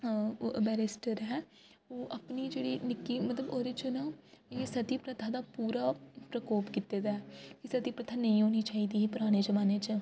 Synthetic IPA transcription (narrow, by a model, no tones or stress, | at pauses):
ʔəbɛːɾɪsʈəɾɦɛː | oːʔəpniːd͡ʒeːɽiːnɪkːiːmət̪ləboːɾɪt͡ʃənãːjeːsət̪iːpɾət̪ʰaːd̪aːpuːɾaːpɾəkoːpkit̪eːd̪aːɛkɪsət̪iːpɾət̪ʰaːnəĩːɦoːniːt͡ʃaːiːd̪iːɦiːpʊɾaːɽ̃eːzəʋaːneːt͡ʃ